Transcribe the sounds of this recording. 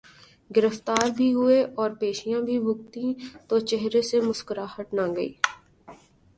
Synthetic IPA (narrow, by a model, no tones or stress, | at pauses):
ɡɪɾəft̪aːɾbʱiɦʊeʔɔːɾpeːʃijãːbʱibʱʊɡt̪ĩːt̪oːt͡ʃeɦɾesemʊskəɾahəʈnãːɡəḭː